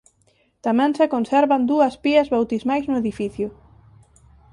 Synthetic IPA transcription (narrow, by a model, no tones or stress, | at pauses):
t̪amɛ̃ŋsekonsɛɾβand̪uɐspiɐzβawt̪izmajznʊeðifiθjʊ